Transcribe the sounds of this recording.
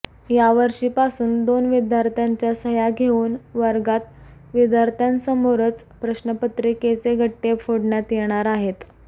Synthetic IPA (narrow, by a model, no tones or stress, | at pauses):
jaʋəɾʂiːpasuːnd̪onʋid̪jaɾt̪ʰjaɲt͡ɕjasəjaɡʱeuːnʋəɾɡat̪ | ʋid̪jaɾt̪ʰjansəmoɾət͡s | pɾəɕnəpət̪ɾiket͡seɡʱəʈːefʰoɽɳjat̪jeɽ̃aɾaɦet̪